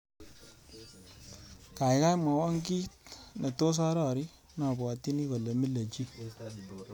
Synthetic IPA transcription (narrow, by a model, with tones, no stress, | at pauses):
ka˨jka˦ma˨wa˦ŋ˦ki˦tne˨to˦s̬a˦ɾɔ˦˨ɾi˦ | nɔ˨bɔ˨ti˦ni˦ko˨le˨mi˦le˨t͡ʃi˦